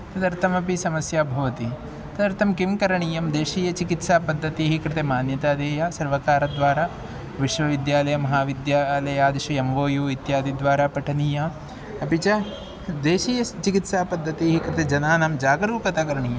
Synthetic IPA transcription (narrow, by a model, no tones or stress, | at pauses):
t̪ɐd̪ɐɾt̪ʰɐmɐpisɐmɐsjaːbʱɐʋɐt̪i | t̪ɐd̪ɐɾt̪ʰɐmkimkɐɾɐɳijɐmd̪eːʃiːjɐt͡ʃikit̪saːpɐd̪ʱːɐt̪iɦikɾɪt̪emaːnjɐt̪aːd̪eːjaːsɐɾʋɐkaːɾɐd̪ʋaːɾaː | ʋiʃʋɐʋid̪jaːlɐjɐmɐɦaːʋid̪jaːlɐjaːd̪ɐʃɐemʋoːjuːit̪jaːd̪id̪ʋaːɾaːpɐʈʰɐniːja | ɐpit͡ʃa | d̪eːʃiːjɐt͡ʃikit̪saːpɐd̪ʱːɐt̪iɦikɾɪt̪ed͡ʒɐnaːnamd͡ʒaːɡɾuːkɐt̪aːkɐɾɐɳijɐm